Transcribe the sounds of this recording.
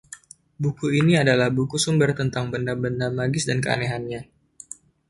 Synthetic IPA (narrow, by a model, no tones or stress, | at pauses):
bukuiniadalahbukusumbərt̪ənt̪aŋbəndabəndamaɡɪsdankəa̰neɦanɲa